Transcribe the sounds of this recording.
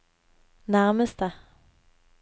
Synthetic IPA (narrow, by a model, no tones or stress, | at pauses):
næʁməst̪ə